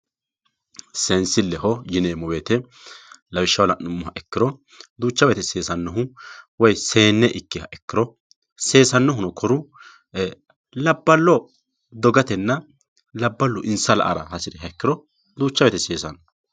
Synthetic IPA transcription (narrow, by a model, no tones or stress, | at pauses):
sɛnsɪlːɛɦɔjɪneːmɔweːt̪ɛ | lɐwɪʃːɐwlɐnːʊmːʊɦɐʔɛkːɪɾɔ | d̪uːt͡ʃːɐbeːt̪ɛseːsɐnːɔɦʊwɔjse̞ːnːɛʔɪkːɪhɐʔɛkːɪɾɔ | se̞ːsɐnːɔɦʊnɔkʰɔɾʊ | lɐbːɐlːɔ | d̪ɔɡɐt̪ɛnːɐ | lɐbːɐlːɔʔɪnsɐlɐ̰ʔɐ̰ɾɐ̰hɐsɪɾɛɦɐɛkːɪɾɔ | d̪uːt͡ʃːɐbɛːt̪ɛseːsɐnːɔ